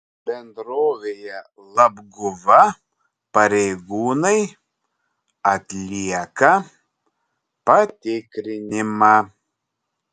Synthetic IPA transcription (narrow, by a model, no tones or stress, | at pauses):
bʲɛnd̪ɾoːʋʲeːjɛ | lˠɐbɡʊʋɐ | pɐɾʲɛɪɡuːnɐɪ | ɐt̪ʲlʲiɛkɐ | pɐt̪ʲɪkɾʲɪnʲɪmɑ